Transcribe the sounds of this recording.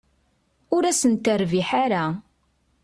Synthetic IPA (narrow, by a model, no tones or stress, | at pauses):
ʊɾæsənt̪əɾviħaɾa